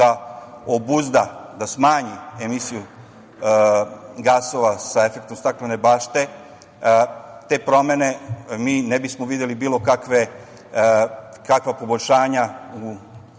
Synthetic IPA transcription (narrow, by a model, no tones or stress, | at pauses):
a | obuzd̪ad̪asmaːɲie̞misiju | ɡaso̞ʋasaefek̚t̪omst̪akenebaːʃt̪e̞ | t̪e̞pɾo̞me̞ne̞miːnebismoʋid̪jelibiːlo̞kakʋe | kakʋapo̞boʎʲʃaːɲau